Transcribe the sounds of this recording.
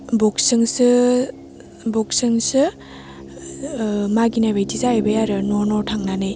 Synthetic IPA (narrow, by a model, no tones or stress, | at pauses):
bɔksɯŋsɯ | bɔk̚sɯŋsɯ | maɡinabejtizaebɯjaɾɯnɔnɔtʰaŋnanɯj